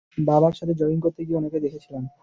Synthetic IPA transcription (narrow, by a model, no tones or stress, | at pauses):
babaɾʃat̪ʰed͡ʑɔinkoɾt̪eɡieoneked̪ekʰet͡ɕʰilen